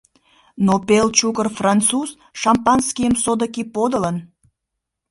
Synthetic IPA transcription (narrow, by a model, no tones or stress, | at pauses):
nopelt͡ɕukərfrɑnt͡suz | ʃɑmpɑnskijəmsod̪əkipod̪ələn